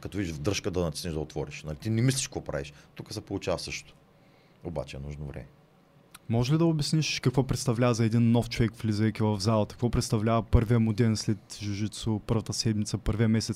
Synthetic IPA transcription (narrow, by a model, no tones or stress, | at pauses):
kɐt̪ovid̪iʒvd̪əʃkəd̪ɐnɐt̪ʲisniʒd̪ɐot̪vɔɾiʃnɐlit̪inɛmis̬lʲiʃkəvɔpɾʔa̰vḭʃt̪ukəsɛpolˠut͡ʃavɐsɤʃto̥t̪o̥ | oba̰t͡ʃɛɛnuʒnovɾɛ̰mɛ | mɔʒɛlid̪ɐʊbɛsniʃkɐkvɔpɾɛt̪st̪ɐvlʲavɐzɐɛd̪inːɔft͡ʃovɛkvlʲizɛjk̪ʲivɐvzalˠɐt̪ɐ̥kvɔpɾɛt̪st̪ɐvlʲavɐpɤɾviəmʊd̪ɛnslɛt̪ʒuʒit̪sopɤɾvɐt̪əsɛd̪mit̪səpɤɾviɐmɛsɛt̪s